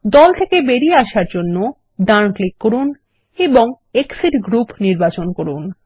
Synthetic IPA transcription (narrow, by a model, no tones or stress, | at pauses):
d̪ɔlt̪ʰekebeɾieaʃaɾd͡ʑonːo | ɖaɾnklikːoɾun | eboŋ | eksiʈɡɾupniɾbat͡ɕonkoɾun